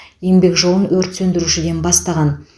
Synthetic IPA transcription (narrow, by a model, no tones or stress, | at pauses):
je̞ŋbe̞kʒo̞lˠənwɵɾt̪sɵnd̪ɪɾuʃɪd̪e̞nbɑst̪ɑʁɑn